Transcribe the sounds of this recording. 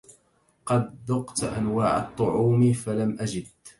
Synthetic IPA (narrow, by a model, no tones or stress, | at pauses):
qɑd̪ːʊqt̪ʔa̰nwaːʕɑ̰t̪ˤːʊʕuːmfalamʔad͡ʒɪd̪̚